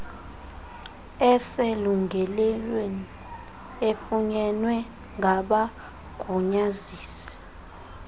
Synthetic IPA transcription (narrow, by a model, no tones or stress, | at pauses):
ɛseluŋɡʱɛlɛlweni | efuɲɛnwɛ | ŋʱaɓa | ɡ̥ʱuɲaziːsi̥